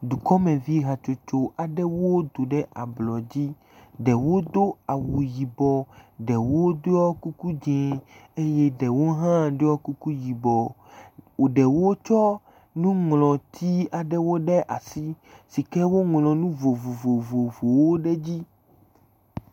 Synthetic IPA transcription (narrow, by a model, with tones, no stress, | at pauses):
d̪u˨kɔ˦mɛ̃˨vi˦ɦa˨t͡ʃo˨t͡ʃo˨a˨ɖɛ˦wo˦d̪o˨ɖɛ˦ʔa˨blɔ˨d͡ʑi˦ | ɖɛ˨wo˦d̪o˦a˨wu˨ji˨bɔ˨ɖɛ˨wo˦d̪o˦ɔ˦ku˦ku˦d͡ʒɛ̃˨e˦jɛ˦ɖɛ˨wo˦ɦã˦ɖo˦ɔ˦ku˦ku˦ji˨bɔ˨ | ɖɛ˨wo˦t͡ʃɔ˦ | nũ˦ŋlɔ̃˨t̪ʰi˦a˨ɖɛ˦wo˦ɖɛ˦ʔa̰˨si˦si˨kɛ˦wo˦ŋlɔ̃˨nũ˦vo˨vo˨vo˨vo˨vo˨wo˦ɖɛ˦d͡ʑi˦